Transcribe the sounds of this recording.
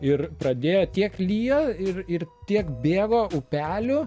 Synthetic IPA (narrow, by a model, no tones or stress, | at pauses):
ɪrpɾɐd̪ʲeːjoːt̪ʲiɛklʲiːjoːɪrɪrt̪ʲiɛkbʲeːɡoːʊpʲæːlʲʊ